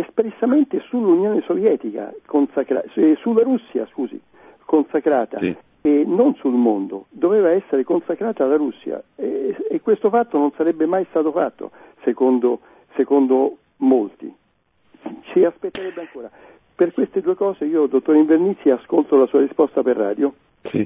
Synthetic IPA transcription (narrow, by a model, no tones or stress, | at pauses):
espɾesːament̪esulːunjoːnesovjɛːt̪ika̰konsakɾa̰sulːaɾusːja̰skuːzḭ | konsakɾaːt̪a̰ | enːonsulmond̪o̰d̪oveːvaɛsːeɾekonsakɾaːt̪aːlːaɾusːja̰eekːwest̪ofat̪ːononsaɾɛbːemajst̪aːt̪ofat̪ːo̰sekond̪o | sekond̪o | molt̪ḭ | t͡ʃiaspet̪ːeɾɛbːeaŋkoːɾa | perkwest̪ed̪uːekɔːzeiːod̪ot̪ːoɾiɱvernisːiaskolt̪olasuːaɾispɔst̪aperːa̰ːd̪jo̰